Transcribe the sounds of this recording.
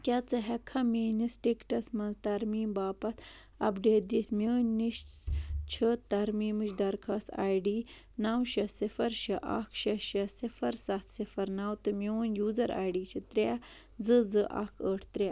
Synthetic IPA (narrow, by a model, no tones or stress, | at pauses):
kʲat͡sɨɦɛkʰːɐmʲiːnisʈikʈɐsmɐnzt̪ɐɾmiːmbaːpɐt̪ʰ | ɐ̰bɖeːd̪it̪ʰmʲəːnːiʃt͡ʃʰit̪ɐɾmiːmɨʃd̪ɐɾkʰɐsa̰ːjɖiː | nawʃɐsifɐɾʃɐʔa̰kʰʃɐʃɐsifɐɾsɐt̪ʰsifɐɾnawt̪ɨmʲonjuːzɐɾa̰ːjɖiːt͡ʃʰit̪ɾʲa | d͡zɨzɨʔa̰kʰəːʈʰt̪ɾʲa